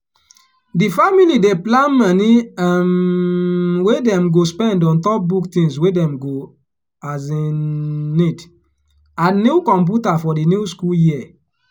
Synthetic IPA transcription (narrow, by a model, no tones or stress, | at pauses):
difamilideplãnmaniam | wedɛ̃mɡospɛ̃ndɔ̃ntɔp̚buktĩŋswedɛ̃mɡo | azined | anukɔ̃mp̬utafɔdinuskuljiɛ